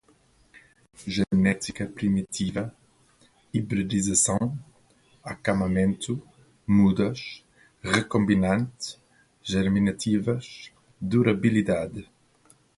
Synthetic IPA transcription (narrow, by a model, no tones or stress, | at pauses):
ʒenɛt̪ikɐpɾimit̪ʰivɐ | ibɾed̪izɐsɐ̃w̃ | akamɐmẽnt̪u | mud̪ɐʃ | ʁekõmbinãnt̪ | ʒɛɾminɐt̪ʰivɐʃ | d̪uɾabilid̪ad̪